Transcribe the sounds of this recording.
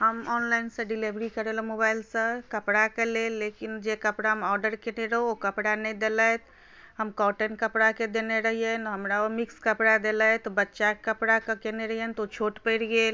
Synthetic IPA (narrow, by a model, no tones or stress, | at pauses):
ɦəmɔnlainsə̃ɖilebɾikəɾelmobajlsə̃kəpɽakelelːekind͡ʒekəpɽaɦmɔɾɖəɾkeneɾəɦookəpɽanɛd̪elət̪ | ɦəmkɔʈənkəpɽaked̪eneɾəɦijənɦəmɾaomikskəpɽad̪elət̪ɔbətːʃakəpɽakekeneɾəɦijənt̪ot͡ʃʰoʈpəɽɡel